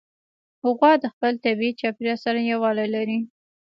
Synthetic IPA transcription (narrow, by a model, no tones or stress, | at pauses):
hʊɣwɑd̪əxpəlt̪abiit͡ʃɑpiɾjɑsaɾajawɑlajlaɾi